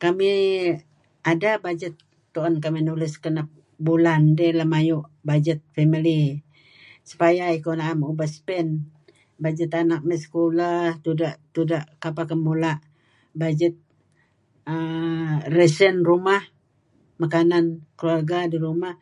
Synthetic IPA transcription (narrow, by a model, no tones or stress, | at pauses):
kami | adabad͡ʒət̪ː | uɔnkaminulɪskənap̚ | bulandɛlamajuʔbad͡ʒət̪̚femili | su̥pajaikonaamubahsə̥pɛn | bad͡ʒət̪anak̚mɛsə̥kolaht̪udaʔt̪udaʔkapakəmulaʔ | bad͡ʒət̪̚ | ə | rɛsənrumah | makanankəluarɡadiɾumah